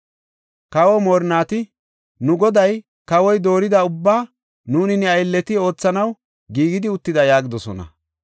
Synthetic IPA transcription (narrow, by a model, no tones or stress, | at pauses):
kɐwɔmoːɾnaːt̪ɪ | nʊɡɔd̪ɐj | kɐwɔjd̪o̞ːɾɪd̪ɐʊbːaː | nuːnɪnɛɐjlːɛt̪ɪo̞ːt͡sːɐnɐw | ɡiːɡɪd̪ɪʊt̪ːɪd̪ɐjaːɡɪd̪ɔsɔ̰nɐ̰